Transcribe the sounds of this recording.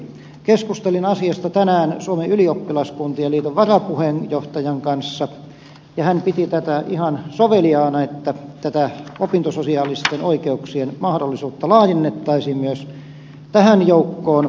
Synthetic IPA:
keskust̪elinɑsiɑst̪ɑt̪ænæːnsuomeyliopːilɑskunt̪iɑliːt̪oʋʋɑrɑpuhenjoht̪ɑjɑŋkɑnsːɑ | jɑhænpit̪it̪æt̪æihɑnsoʋeliɑːnɑet̪ːæt̪æt̪æopint̪ososiɑːlist̪enʔoikeuksienmɑhdolːisuːt̪ːɑlɑːjenːet̪ːɑisiːmmyøs | t̪æhænjoukːoːn

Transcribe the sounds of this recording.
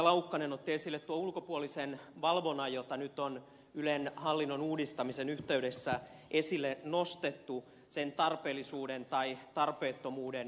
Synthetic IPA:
lɑukːɑnenot̪ːiesilːet̪t̪uoulkopuolisenʋɑlʋonɑjot̪ɑnyt̪on | ylenhɑlːinːonuːdist̪ɑmisenyht̪eydesːæʔesilːenost̪et̪ːu | sent̪ɑrpeːlːisuːdent̪ɑit̪ɑrpeːt̪ːomuːden

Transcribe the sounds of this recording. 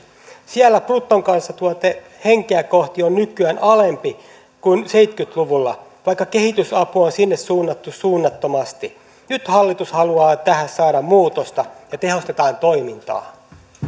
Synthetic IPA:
siælːæprut̪ːoŋkɑnsːɑt̪uot̪e | he̞ŋkeæko̞ht̪ionːykːˑyænɑle̞mpi | kunse̞it̪kyt̪luʋulːɑ̰ʋɑjkːɑke̞hit̪ysɑpuonsinːessuːnːɑt̪ːussuːnːɑt̪ːo̞mɑst̪i | nyt̪hɑlːit̪ushɑluɑːt̪æhæssɑːdɑmmuːt̪ost̪ɑjɑt̪e̞ho̞st̪e̞t̪ɑːnt̪o̞jmint̪ɑ̰ː

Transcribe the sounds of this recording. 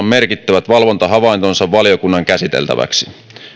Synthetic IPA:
mme̞rkit̪ːæʋæt̪ʋɑlʋo̞nt̪ɑɦɑʋɑˑint̪onsɑʋʋɑljo̞kunːɑŋkæsit̪elt̪æ̰ʋæ̰ksi

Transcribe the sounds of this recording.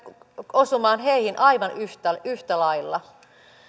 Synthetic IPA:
osumɑːnheihinʔɑiʋɑnyht̪æyht̪ælɑilːɑ

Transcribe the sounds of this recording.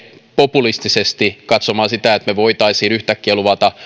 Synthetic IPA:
populist̪isest̪ikɑt̪somɑːsit̪æet̪meʋoit̪ɑisiːnyht̪ækːieluʋɑt̪ɑ

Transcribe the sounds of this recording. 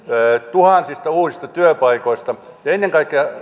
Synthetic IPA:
t̪uhɑnsist̪ɑuːsist̪ɑt̪yøpɑikoist̪ɑ | jɑenːeŋkɑikːˑeɑ

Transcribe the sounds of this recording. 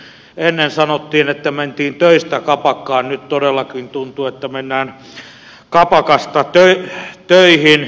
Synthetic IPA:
enːensɑnot̪ːiːnet̪ːæment̪iːnt̪øist̪ækɑpɑkːɑːnnytt̪odelːɑkint̪unt̪uet̪ːæmenːæːn | kɑpɑkɑst̪ɑt̪øit̪øihin

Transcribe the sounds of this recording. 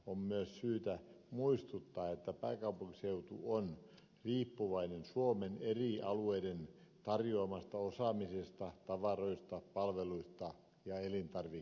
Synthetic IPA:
ommyøssyːt̪æmuist̪ut̪ːɑːet̪ːæpæːkɑupuŋkiseut̪ṵon | riːpːuʋɑinensuomeneriˑɑlueident̪ɑrjoɑmɑst̪ɑosɑˑmisest̪ɑt̪ɑʋɑroist̪ɑpɑlʋeluist̪ɑ | jɑelint̪ɑrʋi

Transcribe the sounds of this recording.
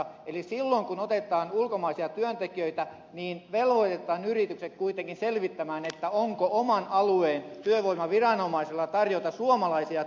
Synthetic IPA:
elisilːoŋkunot̪et̪ˑɑːnulkomɑisiɑt̪yønt̪ekiøit̪æ | niːnʋelʋoit̪et̪ˑɑːnyrit̪yksek̪kuit̪eŋkinselʋit̪ːæmæːnet̪ːæoŋkoomɑnɑlueːnt̪yøʋoimˑɑʋirɑnomɑiselːɑt̪ɑrjot̪ɑsuomɑlɑisiɑ

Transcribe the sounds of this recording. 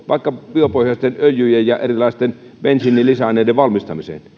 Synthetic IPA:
ʋɑ̰ˑikːɑpiøpohjɑst̪enøljyjejjɑʔerilɑˑist̪en | ʋenʲsinːilisænːˑeˑideʋʋɑlmist̪ɑmisḛn

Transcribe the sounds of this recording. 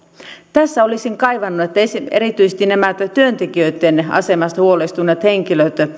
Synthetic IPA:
t̪æsːæolisiŋkɑiʋɑnːuet̪ːæesieɾit̪yise̥st̪inæmæt̪t̪yønt̪ekiøyt̪ːenɑ̰semɑst̪ɑhuolest̪unːet̪heŋkiløt̪

